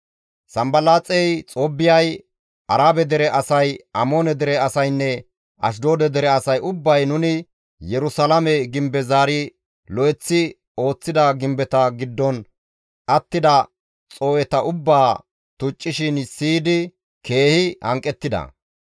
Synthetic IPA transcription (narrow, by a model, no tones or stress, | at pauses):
sɐmbɐlaːt͡sʼɛjt͡sʼobːɪjɐj | ʔɐɾaːbɛd̪ɛɾɛʔɐsɐjɐmo̞ːnɛd̪ɛɾɛɐsɐjnːɛ | ɐ̰ʃ̬d̪o̞ːd̪ɛd̪ɛɾɛɐsɐjʊbːɐjnʊnɪ | jɛɾʊsɐlɐmɛɡɪmbɛzaːɾɪ | lɔʔɛt͡sːɪ | o̞ːt͡sːɪd̪ɐɡɪmbɛt̪ɐɡɪd̪ːɔn | ʔɐt̪ːɪd̪ɐ | t͡sʼo̞ːɛt̪ɐʔʊbːaː | t̪ʊt͡ʃʼːɪʃɪnsiːd̪ɪ | ke̞ːhɪhɐ̰ŋkʼːɛt̪ːɪd̪ɐ̰